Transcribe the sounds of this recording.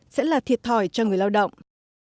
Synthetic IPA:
sɛ̰˧˥laː˨˩t̪ʰi˨˩ət̚t̪ʰɔ˨˩jt͡ɕɔ˧ŋɨ˨˩əjlaː˧wɗə̰˧˨wŋ͡m

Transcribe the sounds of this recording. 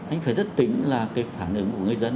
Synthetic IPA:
ʔa̰˨˧ŋ̟faː˧˩jzt̚t̪ï˨˦ŋ̟laː˨˩kaː˨˦jfaː˧˩nʔɨ̰˨˦ŋku˧˩əŋɨ˧˩jzə˧n

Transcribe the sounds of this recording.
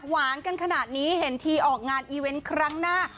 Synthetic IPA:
waː˩˦nka˧nkʰa˧naː˨˩t̪̚niː˦˥ɦe˩˦nt̪ʰiː˧ʔɔː˨˩k̚ŋaː˧nʔiː˧we˧nkʰɾa˦˥ŋnaː˥˩

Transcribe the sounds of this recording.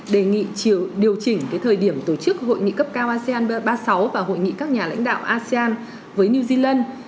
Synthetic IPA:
ɗe˨˩ŋḭ˧˨t͡ɕi˧ɗi˨˩əwt͡ɕï˨˩ŋ̟kaː˨˦t̪ʰəː˨˩jɗi˧˩əmt̪o˧˩t͡ɕɨ˦˥k̚ho̰˧˨jŋḭ˧˨kə˦˥p̚kaː˧wʔaː˧si˧aː˧n˧ɓaː˧sa˨˦wvaː˨˩ɦo̰˧˨jŋḭ˧˨kaː˦˥k̚ɲaː˨˩la̰˧˥jŋ̟ɗa̰ː˧˨wʔaː˧si˧aː˧n | vəː˨˦jni˧zi˧laː˧n

